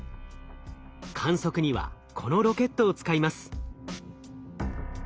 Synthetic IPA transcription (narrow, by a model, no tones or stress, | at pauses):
kʰãɰ̃so̞kɯ̟ɲ̟iβa̰ | kʰo̞no̞ɾo̞ke̞t̪ːoːt͡sɨ̥kaimasɨ̥